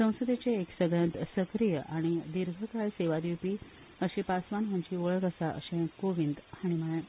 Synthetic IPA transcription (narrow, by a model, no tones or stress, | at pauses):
sə̃w̃səd̪et͡seːksəɡɭãnt̪səkɾijəʔaɽ̃id̪iɾɡʱəkajseʋad̪ipiː | əɕipasʋanɦãɲt͡ɕiːoɭəkəsaʔə̰ɕẽkoʋind̪haɽ̃iməɭe